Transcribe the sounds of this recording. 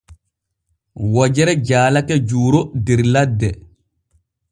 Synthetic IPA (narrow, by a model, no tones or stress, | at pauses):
wɔd͡ʒɛɾɛd͡ʒaːlakɛd͡ʒuːɾodiɾladːɛ